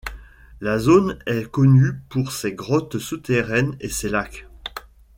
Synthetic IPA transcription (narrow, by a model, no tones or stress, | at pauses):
lazonɛkɔnypuʁsɛɡʁɔt̪sut̪eʁɛneselak